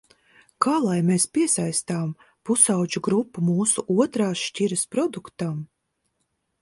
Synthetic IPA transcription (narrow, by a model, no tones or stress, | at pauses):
kaːlˠajmeːspʲiɛsajst̪aːm | pusawd͡ʒuɡɾupːumuːsuʔuɔt̪ɾaːʃciɾɐspɾɔd̪ukt̪am